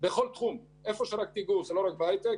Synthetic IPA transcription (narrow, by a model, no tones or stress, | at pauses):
beχo̞lt̪χum | ʔe̞fo̞ʃeɾak̚t̪iɡuzelo̞ʁak̚bajt̪e